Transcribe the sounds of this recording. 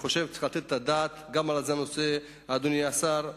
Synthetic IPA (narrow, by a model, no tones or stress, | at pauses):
χo̞ʃevt͡se̥xalat̪et̪tːad̪at̪ɡamalazeano̞se̞ | aːd̪uniasaɾ